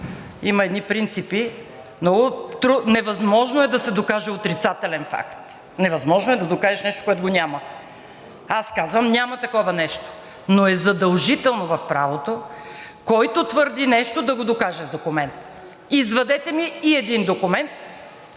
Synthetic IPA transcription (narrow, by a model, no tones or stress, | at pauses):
imɐɛd̪nipɾint̪sipi | mnɔɡʊt̪ɾunɛvɐzmɔʒnoɛd̪ɐsɛd̪okaʒɛot̪ɾit̪sat̪ɛlɛnfa̰kt̪ | nɛvɐzmɔʒnoɛd̪ɐd̪okaʒɛʃnɛʃt̪o̥koɛt̪oɡonʲamɐ | askazvɐmnʲamɐt̪ɐkɔvɐnɛʃt̪o̥ | noɛzɐd̪ɐlˠʒit̪ɛlˠnovɐfpɾavot̪o | kɔjt̪ot̪vəɾd̪inɛʃt̪od̪ɐɡod̪okaʒɛzd̪okʊmɛnt̪ | izvɐd̪ɛt̪ɛmiːɛd̪ind̪okʊmɛnt̪